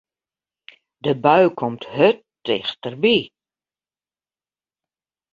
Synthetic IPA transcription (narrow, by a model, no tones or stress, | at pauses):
dəbœɥkʰɔmthøtː | ɪ̰xtərbi